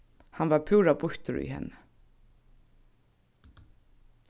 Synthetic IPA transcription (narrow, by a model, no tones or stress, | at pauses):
hanvaɹpʰuːɹabʊht̪ʊɹḭhɛ̰nːɪ